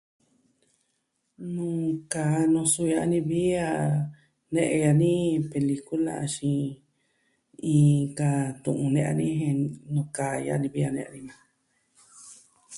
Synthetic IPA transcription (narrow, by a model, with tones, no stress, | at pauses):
nũ˧kaː˨nõ˧su˧ja˧ʔnĩ˧βi˦a˧ | nẽ˦ʔẽ˧ja˧nĩ˦pe˧li˧ku˦lã̰˧˨˧ʃĩ˧ | ĩː˧ka˧t̪ṵ̃˧˨ʔũ˧nẽ˧ʔa̰˧nĩ˦ɦẽ˧nũ˧kaː˨˧ja̰˧nĩ˧βi˦a˧nẽ˧ʔa̰˧nĩ˧mã˧